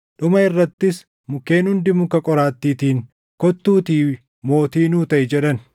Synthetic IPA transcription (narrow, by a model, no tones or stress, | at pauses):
ᶑʊmɐɪrːɐt̪ːɪs | mʊke̞ːnhʊnd̪ɪmʊkɐkʼɔɾaːt̪ːiːt̪iːŋ | kɔt̪ːuːt̪iː | mo̞ːt̪iːnuːt̪ɐʔɪd͡ʒɛᶑɐn